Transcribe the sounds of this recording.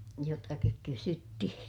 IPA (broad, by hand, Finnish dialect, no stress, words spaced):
kun jotɑkik kysytːihĩː